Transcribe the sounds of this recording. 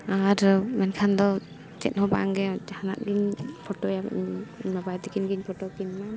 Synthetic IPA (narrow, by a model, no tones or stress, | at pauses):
aɾmɛnkʰand̪ɔ | t͡ʃɛ̰t̪̚hɔba̰ʔa̰ŋɡɛd͡ʒhanaʔ̪̚ɡiɲpʰɔʈɔja̰ɲɲmabajd̪ɛkinɡiɲpʰɔʈɔkinma